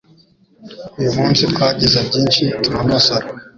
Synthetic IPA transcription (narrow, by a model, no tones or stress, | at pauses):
ujumuːnsitkwaɟizabɟiːnʃitumamasaɾa